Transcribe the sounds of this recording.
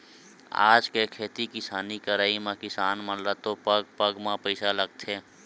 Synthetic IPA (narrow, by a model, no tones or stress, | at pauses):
a̰ːd͡ʒkekʰeːt̪ikɪsaːnikəɾaːimãkɪsaːnmə̃nɾat̪opəɡ̚pəɡmãpəɪsaləɡ̚t̪ʰeː